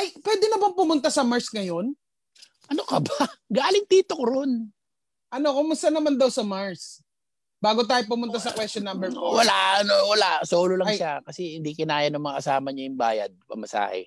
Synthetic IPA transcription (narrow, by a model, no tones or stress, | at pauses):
ʔɐjpwɛːd̪ɪnɐbaŋpʊmʊnt̪̬asɐmaɹsŋɐjo̞n | ʔɐnokɐbaɡaːlɪŋt̪iːt̪okoɾon | ʔɐno̞kʊŋmʊst̪ɐnɐmand̪ɐwsɐmaɹs | baːɡot̪aːjop̬ʊmʊnt̪̬asɐkwɛst̪onːambɛɹwɐlaɐnowɐlasoːlolɐŋjʃakɐsɛhɪnd̪ikɪnaːjɐnɐŋmɐŋakɐsaːmɐɲɐjʊŋba̰ːjɐ̰d̪̚pɐ̰mɐsa̰ːhɛ̰